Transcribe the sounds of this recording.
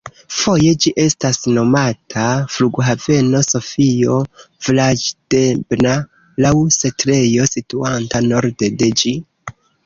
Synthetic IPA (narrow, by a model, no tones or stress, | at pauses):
fo̞je̞d͡ʒiʔe̞stasno̞matʰafluɡɦave̞no̞so̞fio̞ | vilad͡ʒd̥ebna | lawsetɾe̞jo̞situantano̞ɾde̞de̞d͡ʒi